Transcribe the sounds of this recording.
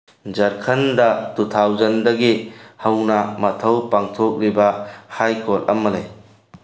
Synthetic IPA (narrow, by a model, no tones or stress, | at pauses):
d͡ʒɐɾkʰɐndatut̪ʰawd͡ʒɐndɐɡihɐwnɐmɐtʰɐwpaŋtʰɔk̚ɾibɐhajkɔlɐ̰mːɐlaj